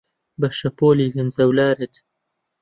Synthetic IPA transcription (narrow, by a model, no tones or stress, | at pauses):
bɐʃɐpoːliːɡɐnzɐwlaːɾɨt̪